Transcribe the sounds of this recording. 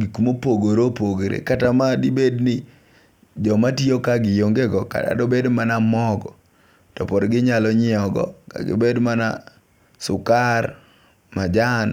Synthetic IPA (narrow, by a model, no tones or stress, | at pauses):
ɡikumopoɡoɾopoɡoɾḛkatamadibednɪ | d͡ʒɔmatiokaɡɪjoŋɡeɡɔka̰ta̰dɔbedmanamɔɡɔ | tɔpɔdɡɪɲalɔɲɪɔɡɔ̰ka̰ɡɪ̰bedmana̰ | sʊkar | mad͡ʒan